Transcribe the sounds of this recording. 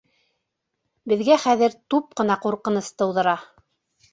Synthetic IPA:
bɘ̆ðɡæχæðɘɾt̪up̚qɤ̆nɑquɾqɤ̆nɤst̪ɤ̆wðɤ̆ɾɑ

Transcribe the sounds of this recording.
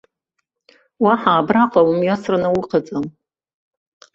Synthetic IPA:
waħaːbraqʼawumɥasranawuqʰad͡zam

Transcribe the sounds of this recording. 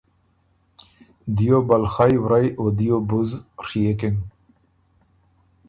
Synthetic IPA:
d̪ijobalxajwɾajod̪ijobuzɾiekeŋ

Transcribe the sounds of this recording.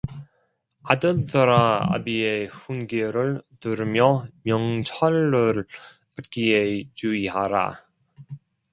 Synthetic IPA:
adɯɭtɯɾaa̰bieɸunɡeɾɯɭtɯɾɯmjʌmjʌŋt͡ɕʰaɭːɯɾ | atk͈iet͡ɕuiɦaɾa̰

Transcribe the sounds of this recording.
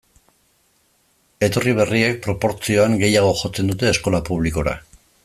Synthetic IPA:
e̞t̪o̞riβ̞e̞rie̞k̚pɾo̞po̞ɾt͡sio̞aŋɡe̞jaɣ̞o̞ʝot͡se̞nd̪ut̪e̞ːsko̞lapuβ̞liko̞ɾa̰

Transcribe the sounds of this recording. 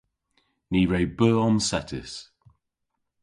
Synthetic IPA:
niːɹəʊbɜːɔmsɛtʰə̰s

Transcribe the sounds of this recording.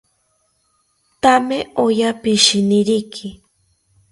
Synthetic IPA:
t̪ameojapiʃiniɾikʰi

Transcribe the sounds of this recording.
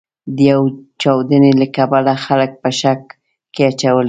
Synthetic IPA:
d̪əjawt͡ʃawd̪ənelakabalaxalək̚pəʃak̚ː | eat͡ʃawəl

